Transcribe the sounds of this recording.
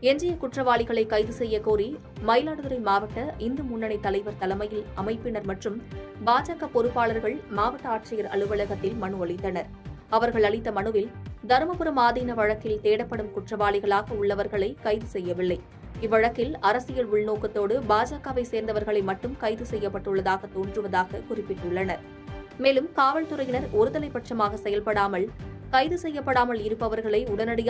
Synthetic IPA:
ɛɲd͡ʒɪjɐkʊʈrɐʋaːɭɪɣɐɭɐɪkɐɪðɯsɛjːɐkuːɾi | mɐɪlaːɽɯðɯɾɐɪmaːʋɐʈːɐʔɪnd̪ɯmʊɳːɐnɐɪt̪ːɐlɐɪʋɐɾt̪ɐlɐmɐjɪlɐmɐɪpːɪnɐɾmɐʈrɯmbaːd͡ʒaːkapɔɾɯpːaːɭɐɾɣɐɭmaːʋɐʈːɐaːʈ̚t͡ʃɪjɐɾɐ̰ɭɯʋɐɭɐɣɐt̪ːɪlmɐɳɯɐɭɪt̪ːɐnɐɾ | ɐʋɐɾɣɐɭɐɭɪt̪ːɐmɐɳɯʋɪld̪ɐɾmɐpɯɾɐmaːðiːnɐʋɐɻɐkːɪlt̪eːɽɐpːɐɽɯmkʊʈrɐʋaːɭɪɣɐɭaːɣɐʊɭːɐʋɐɾɣɐɭɐɪkɐɪðɯsɛjːɐʋɪlːɐɪ | ɪʋːɐɻɐkːɪlɐɾɐsɪjɐlʊɭnoːkːɐt̪ːoːɽɯbaːd͡ʒaːkaːʋɐɪseːɾnd̪ɐʋɐɾɣɐɭɐɪmɐʈːɯmkɐɪðɯsɛjːɐpːɐʈːɯɭːɐðaːɣɐt̪oːɳdrɯʋɐðaːɣɐkʊrɪpːɪʈːɯɭːɐnɐɾ | meːlɯmkaːʋɐɭt̪ɯɾɐjɪnɐɾɔɾɯðɐlɐɪpːɐʈʂɐmaːɣɐsɛjɐlpɐɽaːmɐɭ | kɐɪðɯsɛjːɐpːɐɽaːmɐɭɪɾɯpːɐʋɐɾɣɐɭɐɪʊɽɐnɐɽɐj

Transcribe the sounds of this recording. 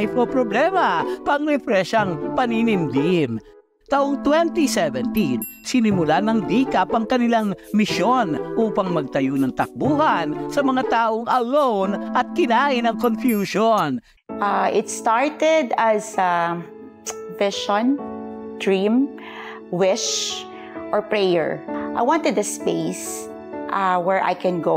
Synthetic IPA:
jpopɾoblɛmɐpɐŋɾɛfɾɛʃɐŋpɐninɪmd̪im | t̪aʔoŋt̪wɛnt̪isɛvɛnt̪in | sɪnɪmʊlanɐŋd̪ikɐpɐŋkɐnɪlaŋmɪʃo̞nʔuːpɐŋmɐɡ̚t̪ɐjonɐŋt̪ɐk̚buːhɐnsɐmɐŋat̪aːʔoŋʔɐlownʔɐt̪̚kɪnaːʔɪnɐŋkonfjuʃon | ʔaʔɪt̪st̪aɹt̪ɛd̪ɐza | vɪʃɔ̃nd̪ɹĩm | wɪʃ | ʔɔɹpɹejɛ̰ɹʔa̰jwɑ̃nt̪ɛd̪ɐspeɪs | ʔawɛɹʔa̰jkɛ̃nɡo

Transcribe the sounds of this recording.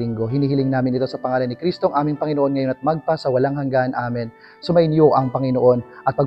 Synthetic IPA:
lɪŋɡo̞ɦɪniːhɪlɪŋnaːmɪnɪt̪o̞sɐpɐŋaːlɐnːɪkɾist̪oɐŋʔaːmɪŋpɐŋɪnoʔo̞nŋɐjo̞nɐt̪̚mɐɡ̚pasɐwɐlaŋhɐŋɡanʔaːmɪn | sʊmɐjɪnjoʔɐŋpɐŋɪnoʔo̞nʔɐt̪̚pɐɡ̚

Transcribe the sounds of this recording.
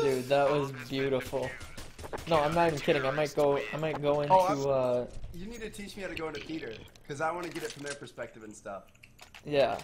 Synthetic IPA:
ʉðəʔ̚wʌzbjʉɾəfl̩ˠ | noʊãɪ̃mnəɾivn̩kʰɪɾɪ̃ŋaɪmaɪt̚ɡ̥oʊaɪmaɪt̚ɡ̥oʊɪ̃otʉʌjɨnid̚tɨtʰit͡ʃmiaʊɾɨɡoʊɪ̃ntʰɨpʰiɾə˞kʰʌzaɪwɑ̃nɨɡɛɾɨtfɹʌ̃mðə˞pʰə˞spɛk̚tɨvɨ̃n̩stʌ̰f | jæ

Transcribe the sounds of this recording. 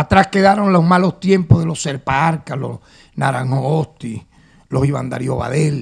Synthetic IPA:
at̪ɾaske̞ðaɾonlohmalo̞st̪je̞mpohðelo̞se̞ɾpaaɾkalo̰s | naɾaŋhoost̪i | lo̞siβa̰nd̪a̰ɾjo̞βa̰ðel

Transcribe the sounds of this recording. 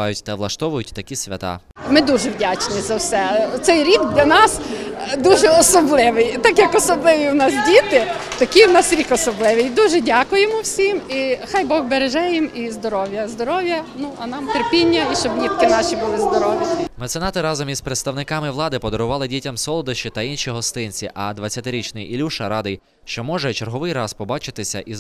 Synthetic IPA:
ɑ̰jʊtʲt̪ɐʋlˠɐʃt̪ɔʋʊjʊtʲt̪ɐkʲisʲʋʲɐ̰t̪ɑ̰ | mɪd̪uʒɛwdʲat͡ʃnizɐwsɛt̪sɛjɾʲib̪d̪lʲɐnɑsd̪uʒɛɔsɔblˠɪʋɪjt̪ɑkjɐkɔsɔblˠɪʋʲiwnɑs̬dʲit̪ɪt̪ɐkʲijwnɑsɾʲikɔsɔblˠɪʋɪjd̪uʒɛdʲakʊjemʊwsʲimixɑjbɔɣbeɾeʒɛjɪmizd̪ɔɾɔʋjɐzd̪ɔɾɔʋjɐnuɐnɑmt̪erpʲinʲːɐiʃt͡ʃɔbnʲit̪kɪnɑʃibʊlˠɪzd̪ɔɾɔʋʲjɐmɛt̪senɑt̪ɪɾɑzɔmizpɾet̪st̪ɐwnɪkɑmɪʋlˠɑd̪ɪpɔd̪ɔɾʊʋɑlˠɪdʲitʲɐmsɔlˠɔd̪ɐʃt͡ʃit̪ɐinʃiɦɔst̪ɪnʲt͡sʲiʔɐd̪ʋɐt͡sʲjɐt̪ɪɾʲit͡ʃnɪjilʲuʃɐɾɑd̪ɪj | ʃt͡ʃɔmɔʒɛt͡ʃerɦɔʋɪjrɑspɔbɑt͡ʃɪt̪ɪsʲɐ̰ʔiz

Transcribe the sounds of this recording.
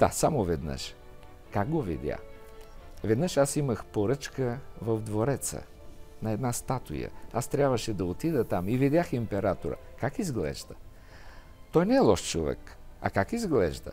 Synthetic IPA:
d̪̥a̰samovɛd̪nə̰ʃ | kaɡ̚ɡovḭd̪ʲja̰ | vɛd̪nəʃasiməxpoɾɤt͡ʃkəvɐvd̪voɾɛt̪sə̰ | nɐɛd̪nast̪at̪ʊ̰jə̰ast̪ɾʲjabvəʃɛd̪ɐot̪id̪ət̪amivid̪ʲjaximpɛɾat̪oɾə̰kakizɡlɛ̰ʒd̪ə | t̪ɔjnɛːlˠɔʃt͡ʃovɛ̰k | ɐ̰kakizɡlɛʒd̪ə̰

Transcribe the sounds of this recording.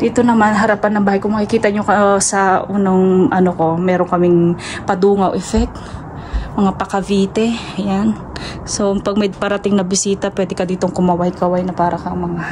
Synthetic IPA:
d̪iːt̪onɐmanɦɐɾapanːɐŋbaːhajkomɐkɪkiːt̪ɐɲokɐsɐʔuːnoŋʔɐnoko̞mɛːɾoŋkɐmɪŋ | pɐd̪uːŋɐwʔɛfɛk̚t̪ | mɐŋapɐkɐviːt̪ɛ | jan | so̞pɐɡ̚mɐjpɐɾɐt̪ɪŋnɐbɪsiːt̪ɐpwɛːd̪ɪkɐd̪iːt̪oŋkʊmɐwajkɐwajnɐpaːɾɐkɐŋmɐŋa

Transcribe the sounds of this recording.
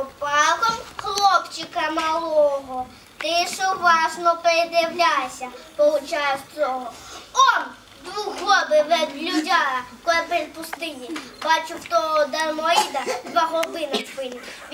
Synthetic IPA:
pɑkɔmxlˠɔpt͡ʃɪkɐmɐlˠɔɦɔ | t̪ɪʃoʋɑʒnɔpeɾed̪jɐwlʲasʲɐpɔlˠʊt͡ʃajɛwt͡sʲɔɦɔɔn | d̪ʋuɦɔbɪʋɛd̪lʲʊdʲakɔɛpɛlʲpʊst̪ɪnʲibat͡ʃʊwt̪ɔɦɔd̪ɐrmɔid̪ɐd̪ʋaɦɔbɪnɔkpɪnʲɪ

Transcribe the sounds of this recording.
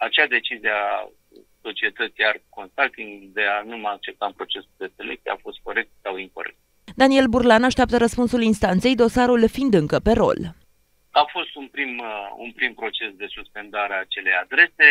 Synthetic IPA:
at͡ʃead̪e̞t͡ʃizia | so̞t͡ʃie̞t̪ət̪siarko̞nst̪alt̪iŋɡd̪e̞anumajak̚t͡ʃe̞p̚t̪ampɾo̞t͡ʃe̞suld̪e̞selek̚t̪sʲijeafo̞st̪̚ko̞ɾe̞k̚t̪sawiŋkoɾe̞̰k̚t̪ | d̪anie̞lburlanaʃt̪ʲap̚t̪əɾəspunsulinst̪ant̪se̞jd̪o̞saɾulfind̪ɨŋkəpe̞ɾo̞̰l | afo̞st̪unpɾimṵnpɾimpɾo̞t͡ʃe̞sd̪e̞suspe̞nd̪aɾeat͡ʃe̞le̞jad̪ɾe̞se̞

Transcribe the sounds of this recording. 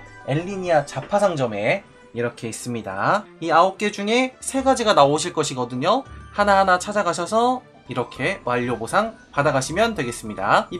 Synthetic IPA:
e̞ʎːiɲiat͡ɕapʰasʰaŋd͡ʑʌme̞ | iɾʌkʰe̞is͈ɯmɲida̰iaop̚k͈e̞d͡ʑuŋe̞sʰe̞ɡad͡ʑiɡanaoɕ̬ʰiɭk͈ʌɕʰiɡʌdɯɲohanaɦanat͡ɕʰad͡ʑaɡaɕ̬ʰʌsʰʌ | iɾʌkʰe̞waʎːobosʰaŋ | padaɡaɕʰimjʌndwe̞ɡe̞s͈ɯmɲida̰

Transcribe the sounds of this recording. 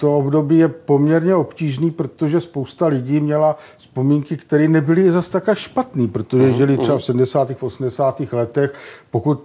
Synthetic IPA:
t̪oobdo̞biːjɛpo̞mɲɛɾɲɛo̞pciːʒniːpɾot̪oʒɛspo̞wst̪alɪɟiːmɲɛlaspo̞miːŋkɪkt̪ɛɾiːnɛbɪlɪzast̪akaʃpat̪niːpɾot̪o̞ʒɛʒɛlɪt̪rɛbafsɛdm̩dɛsaːt̪iːxfʔo̞sm̩dɛsaːt̪iːxlɛt̪ɛxpo̞kut̪̚

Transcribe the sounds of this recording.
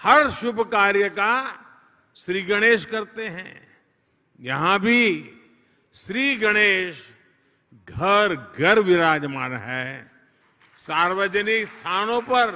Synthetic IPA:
hɐɾʃʊbʱkaːɾjəka | ʃɾiːɡɐɽ̃eːʃkɐɾt̪eɦɛ̰̃ | jɐɦãbʱi | ʃɾiːɡɐɽ̃eːʃ | ɡʱɐɾɡɐɾʋɪɾaːd͡ʒmanɦɛː | saːɾʋəd͡ʒənɪkst̪ʰaːnõpɐɾ

